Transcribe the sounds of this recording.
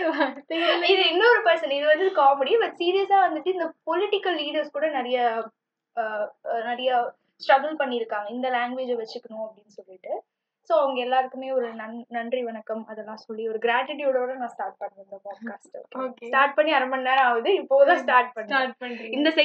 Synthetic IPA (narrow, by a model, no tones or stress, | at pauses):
t̪ɐɪðɯɪnːɐɔɾɯpɐɾsɐnɪðɯʋɐnd̪ɯðɯkaːmɐɽibɐʈːsiːɾijɐsaːʋɐnd̪ɯʈːɯɪnd̪ɐpɔlɪʈɪkːɐlːiːɽɐɾskuːɽɐnɛɾɐjɐ | nɛɾɐjɐ | sʈɾɐɡɐlpɐɳːiɪɾɯkːaːŋɡɐɪnd̪ɐlaːŋɡʋeːd͡ʒɛʋɐt͡ʃːɯkːɐɳʊ̃ɐpːɐɽɪnːɯsɔlːɪʈːɯ | soːɐʋɐŋɡɐɛlːaːɪɾɯkːɯmeːɔɾɯnɐnnɐndriʋɐnɐkːɐmɐðɛlːãːsɔlːiɔɾɯɡɪɾaːʈɪʈ̬jɔɽɐʋɐɾɐnãːsʈaːɾʈ̚pɐɳːɐɪnd̪ɐpaːɖkaːsʈɐkosʈaːɾʈ̚pɐɳːiɐɾɐmɐɳːaːaːʋɐðɯɪpːoːt̪ãːsʈaːɾʈ̚pɐɳːpɐɾiːɡɪnd̪ɐs